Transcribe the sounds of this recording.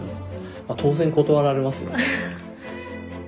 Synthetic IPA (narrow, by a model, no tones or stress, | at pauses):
mat̪ʰo̞ːzẽ̞ŋko̞t̪o̞βaɾaɾe̞masɨ̰